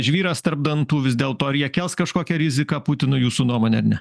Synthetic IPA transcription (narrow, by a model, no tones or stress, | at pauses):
ʒʲʋʲiːɾɐst̪ɐɾb̚d̪ɐnt̪uːʋʲɪsʲd̪ʲeːlˠt̪oːɪɾʲjiɛkʲɛlˠskɐʃkoːkʲɛɾʲɪzʲɪkɑːpʊt̪ʲɪnʊjuːsuːnuɔmoːnʲɛɐɾʲnʲɛ